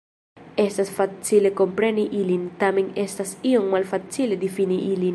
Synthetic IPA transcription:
est̪asfat͡silekompɾeniʔilint̪amiŋest̪asioŋmalfat͡siled̪ifiniʔilin

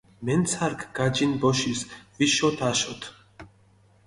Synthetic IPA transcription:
mɛnt͡sʰaɾkɡad͡ʒinbɔʃisviʃɔt̪ʰaʃɔt̪ʰ

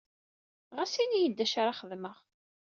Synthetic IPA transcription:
ʁasinijəd̪ːæʃaɾaχəðməʁ

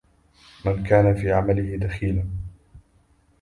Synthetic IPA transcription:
mankaːnafiːʕamalɪhɪd̪axiːlan

